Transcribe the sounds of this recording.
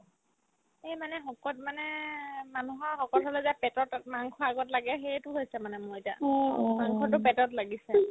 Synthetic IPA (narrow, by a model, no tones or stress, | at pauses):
ɛmanɛɦɔkɔt̚manɛmanuɦɔɹxɔkɔtɦɔlɛzapɛtɔtmaŋkʰɔaɡɔtlaɡɛxetʊɦojsɛmanɛmʊɹeta̰maŋkʰɔt̬ʊpɛtɔtlaɡisɛ